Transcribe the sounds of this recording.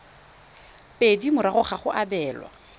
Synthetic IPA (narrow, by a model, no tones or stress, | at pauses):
pʼedimʊɾaχʊχaχʊʔabɛːlwa̰